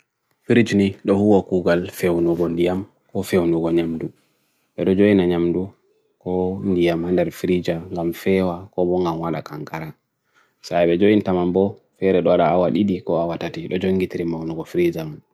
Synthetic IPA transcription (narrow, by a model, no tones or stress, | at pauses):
fiɾid͡ʒniɗɔhuwakuɡalfewnuɡɔndijam | kɔfewnuɡɔɲamdu | ɓɛɗɔd͡ʒojinaɲamdu | kɔndijamhandɛɾfiɾid͡ʒaŋɡamfɛwakɔbɔŋɡamwaɗa̰kaŋkaɾa | saɓɛd͡ʒojintamambɔfɛɾɛɗɔwaɗaawaɗiɗikɔawatatiɗɔd͡ʒoŋɡitiɾimawnɔɡɔfiɾid͡ʒam